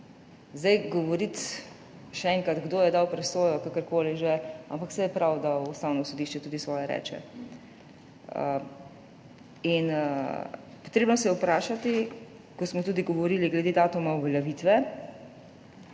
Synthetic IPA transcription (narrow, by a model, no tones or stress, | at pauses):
zd̪ajɡɔʋɔɾit̪ | ʃɛɛŋkɾad̪ɡd̪oːjɛd̪awpɾɛsoːjɔkakəɾkoːliʒɛa̰mpaksɛjɛpɾawd̪aust̪aːwnɔsɔd̪iʃt͡ʃɛt̪uːd̪isʋɔːjɛɾɛ̰ːt͡ʃɛ̰ | ə̰ | in | pɔ̥t̪ɾeːbnɔsɛjɛwpɾaːʃat̪i | kɔsmɔt̪uːd̪iɡɔʋɔɾiliɡlɛd̪eːd̪aːt̪ɔmaɔʋɛljaʋit̪ʋɛ